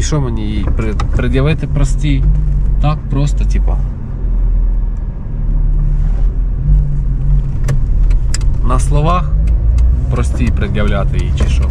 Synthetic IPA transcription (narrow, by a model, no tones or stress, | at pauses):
iʃɔmenʲijijpɾɪpɾɪd̪ʲjɐʋɪt̪ɪpɾɔsʲtʲijt̪ɑk̚pɾɔst̪ɔtʲipɐ | nɐslˠɔʋɑx | pɾɔsʲtʲijpɾɪd̪ʲjɐwlʲat̪ɪjijt͡ʃiʃɔ̰